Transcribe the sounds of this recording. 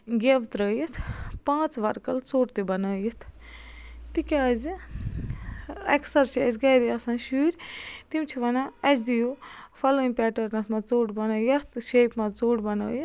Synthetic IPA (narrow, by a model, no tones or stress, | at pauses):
ɡeʋt̪ɾəːjɐt̪ʰpãːt͡sʋɐɾkɐlt͡soːʈt̪ibɐnəːjɐt̪ʰ | t̪ikʲeazi | eksɐɾt͡ʃʰiɐzɡɐːd̪iɐsɐnʃuːɾʲt̪imt͡ʃʰiʋɐnaɐsd̪ijufʰɐloimpʲɛːʈɐɾnɐt̪ʰmɐt͡soːʈbɐnəːjɐt̪ʰʃeːpmɐt͡soːʈbɐnə̰ːji